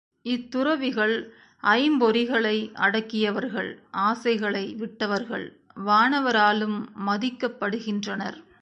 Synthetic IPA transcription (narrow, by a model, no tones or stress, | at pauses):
ɪt̪ːʊɾɐʋɪɣɐɭ | ʔɐɪmbɔɾɪɣɐɭɐɪʔɐ̰ɽɐkːɪjɐʋɐɾɣɐ̰ɭʔaːsɐɪɣɐɭɐɪʋɪʈːɐʋɐɾɣɐ̰ɭ | ʋaːɳɐʋɐɾaːlɯmːɐðɪkːɐpːɐɽɯɣɪndrɐnɐ̰ɾ